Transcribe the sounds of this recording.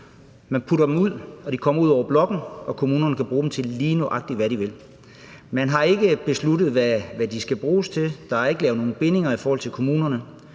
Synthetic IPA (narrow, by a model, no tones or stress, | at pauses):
mænpʰuɾɐd̥emuð̰ˠɒ̽d̥ikʰɒ̽m̰ɐuð̞̰ˠɒʊɐblɒ̽ɡ̥n̩ɒ̽kʰo̝muːnɐnəkʰæb̥ʁuːd̥emt͡sʰe̝lliːnoʔɑ̈ɡ̥̚d̥iʋæɾiʋe̝l | mænɦɑ̈e̝ɡ̥əb̥e̝sludð̩ˠʋæʋæd̥isɡ̥æb̥ʁuːst͡sʰe̝ld̥ɑ̈hɑ̈e̝ɡ̥əlɛːʊno̝ːn̩b̥e̝ne̝ŋɐifɒːhɒl̰t͡sʰe̝lkʰo̝muːnɐnə